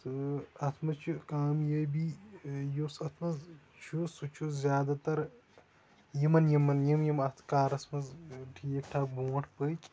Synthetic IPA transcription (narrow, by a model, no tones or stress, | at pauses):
t̪ɨɐt̪ʰmɐt͡ʃʰukaːmjɐjbijosɐt̪ʰmɐz | t͡ʃʰusut͡ʃʰuzʲjaːd̪aːt̪ɐɾ | jimɐnjimɐnjimjimɐt̪ʰkaːɾɐsmɐzʈʰiːkʈʰaːk̚buːɐʈʰpəːkʲʼ